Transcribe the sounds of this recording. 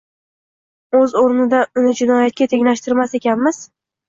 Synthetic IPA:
ɵzoɾnɪd̪aʊnɪd͡ʒɪnɒjat̪̚kʲat̪ʰe̞ŋʲlaʃt̪ɪɾmasekʲanmɪz̥

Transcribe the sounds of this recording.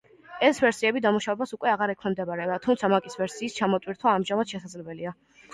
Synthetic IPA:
ɛsvɛɾsiɛbid̪amuʃavɛbasukʼwɛaʁaɾɛkʰmɛmd̪ɛbaɾɛat̪ʰumt̪sʰamakʼisvɛɾsiːst͡ʃʰamɔt̪ʼwiɾt̪ʰwaːmʒamad̪̥ʃɛsad̪zlɛbɛlia

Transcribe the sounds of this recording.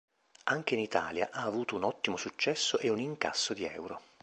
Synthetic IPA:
aŋk̟einit̪a̰ːlja̰ʔaːvuːt̪ounɔt̪ːimosut͡ʃːɛsːoʔeuniŋka̰sːod̪iɛwɾo

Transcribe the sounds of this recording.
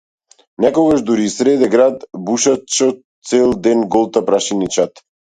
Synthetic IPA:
nɛkɔɡaʒd̪uɾisɾɛd̪ɛɡɾad̪buʃat͡ʃɔ | t̪sɛlˠd̪ɛnɡɔlˠt̪apɾaʃinit͡ʃat̪

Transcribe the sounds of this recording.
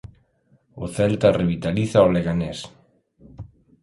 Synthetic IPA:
oθɛlt̪areβit̪aliθaoleɣanes

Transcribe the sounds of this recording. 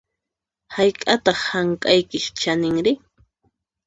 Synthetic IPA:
hajkʼat̪ɑχhaŋkʼajkɪʃt͡ʃanɪŋɾɪ

